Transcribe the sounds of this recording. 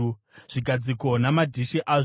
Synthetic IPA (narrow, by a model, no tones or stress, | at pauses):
ʐ̥iɡʱad͡ziko̞namadʱiʃiʔa